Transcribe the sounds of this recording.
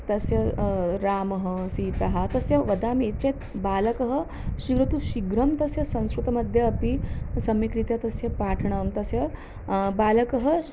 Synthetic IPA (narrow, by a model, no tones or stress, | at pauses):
t̪ɐsjɐɾaːmɐɦɐsiːt̪ɐɦɐt̪ɐsjɐʋɐd̪aːmet͡ʃet̪baːlɐkɐɦɐ̆ | ʃiɡɾɐt̪uʃiɡɾɐmt̪ɐsjɐsɐ̃ñskɾut̪ɐmɐd̪ʱjɐːpisɐmikɾit̪jɐt̪ɐsjɐpaːʈʰɐɳ̃ɐmt̪ɐsjɐ | baːlɐkɐɦɐ